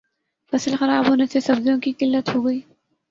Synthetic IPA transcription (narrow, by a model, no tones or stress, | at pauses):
fɐslxɐɾaːbɦoːnesesɐbzjõkikɪlːət̪ɦoːɡɐiː